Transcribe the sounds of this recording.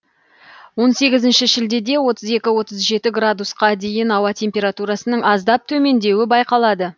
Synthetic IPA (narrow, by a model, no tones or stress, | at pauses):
wo̞nse̞ɡʲɪzɪnʃɪʒɪld̪e̞d̪e̞wo̞t̪əze̞kʲɪwo̞t̪əzʒe̞t̪ɪɡrad̪usqɑd̪e̞jɪnɑwɑt̪ʰe̞mpʲe̞ɾat̪uɾasənəɴɑzd̪ɑp̚t̪ʰɵme̞nd̪e̞wɪbɑjqɑlˠɑd̪ə